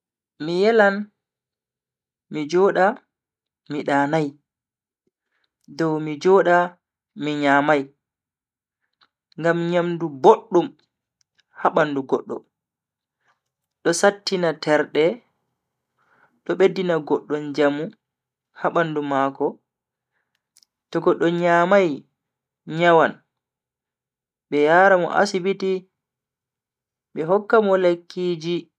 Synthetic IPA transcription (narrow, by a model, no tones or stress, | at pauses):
mijɛlan | mid͡ʒɔːɗa | miɗaːnaj | dɔwmid͡ʒɔɗa | miɲaːmaj | ŋɡamɲamduboɗːum | haɓanduɡɔɗːɔ̰ | ɗɔsatːinatɛɾɗɛ | ɗɔɓedːinaɡɔɗːɔnd͡ʒamu | haɓandumakɔ | tɔɡɔɗːɔɲaːmaj | ɲawan | ɓɛjaːɾamɔ̰ʔa̰sibiti | ɓɛɦɔkːamɔlekːiːd͡ʒi